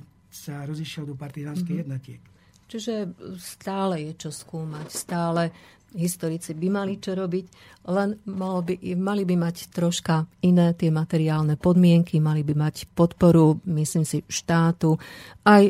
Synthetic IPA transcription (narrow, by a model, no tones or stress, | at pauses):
saɾɔziʃɪɛld̪ɔpaɾt̪izaːnskɛjjɛd̪nɔcɪɛk | t͡ʃiʒɛst̪aːlɛjɛt͡ʃɔskuːmacst̪aːlɛ | ɦist̪ɔɾit͡sibimalit͡ʃɔɾɔbic | lɛnmalɔbimalibimact̪ɾɔʃkainɛːt̪ɪɛmat̪ɛɾiaːlnɛpɔd̪mɪɛŋkimalibimacpɔt̪pɔɾumisliːmsiʃt̪aːt̪uʔaj